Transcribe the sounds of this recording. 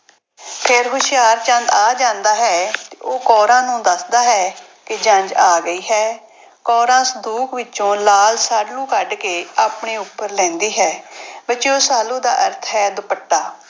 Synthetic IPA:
pʰɪɾɦʊʃɪjaːɾt͡ʃə̃nd̪aːd͡ʒãːnd̪aːɦɛːt̪eoːkɔːɾãːnũːd̪əsd̪aːɦɛː | kɪd͡ʒəɲd͡ʒaːɡəiːɦɛː | kɔːɾãːsəd̪uːkʋɪt͡ʃt͡ʃõːlaːlsaːɖlũːkəɖkeːaːpɳeːʊpːəɾlɛ̃ːnd̪iːɦɛːbət͡ʃiːoːsaːlũːd̪aːʔəɾt̪ʰɦɛːd̪ʊpəʈːaː

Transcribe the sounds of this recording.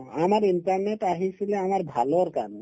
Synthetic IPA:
amaɾinʈaɾneʈaɦisileamaɾbʱalɔɾkan

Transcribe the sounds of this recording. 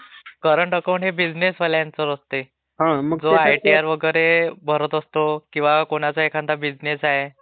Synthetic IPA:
kəɾəɳʈəkawɳʈɦebid͡znesʋəljant͡səɾəst̪e | ɦãməɡd͡zoajʈiaɾʋəɡəjɾebʱəɾət̪əst̪okĩw̃ʋakoɽ̃at͡saɦekʰãnd̪abid͡znesaɦe

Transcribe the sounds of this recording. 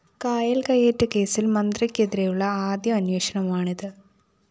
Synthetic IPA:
kaːjɐlkɐjːeːʈːɨke̞ːsilmɐnd̪rɐkʲːeðɾejuɭːɐaːd̪jɐɐnweːʂɐɳɐmaːɳiðɨ

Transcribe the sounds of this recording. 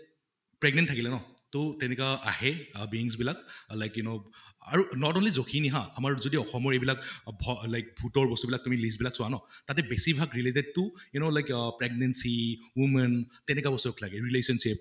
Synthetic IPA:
pɹɛɡ̚nɛntʰakilɛnɔtɔtɛnɛkaʔahɛbiiŋs̬bilaklajkjunoa̰ɹunɔtɔnlizokʰiniɦãamaɹzodiɔxɔmɔɹɛbilakbʱɔlajk̚bʱutɔɹbɔstubilak̚tumilis̬bilaksʊwanɔtat̬ɛbɛsibʱaɡɹileted̚tʊinolajkpɹɛɡ̚nɛnsiwumɛntɛnɛkabɔstuɔkʰlaɡɛɹilesɔnsip̚

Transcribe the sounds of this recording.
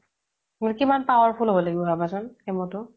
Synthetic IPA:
mʊjkimanpawɔɹpʰulɦobɔlaɡibɔɦabasʊnemɔtʊ

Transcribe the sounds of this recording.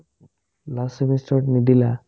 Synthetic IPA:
lasimisʈɔʈnid̪ila

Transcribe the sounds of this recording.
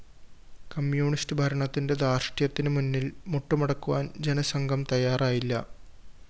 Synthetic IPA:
kɐmjuːɳistɨbʱɐɾɐɳɐt̪ːinde̞d̪aːrʂʈijɐt̪ːinɨmunːilmuʈːumɐɽɐkːuʋaːnd͡ʑe̞nɐsɐŋɡʱɐmt̪ɐjaːraːjilːɐ̰

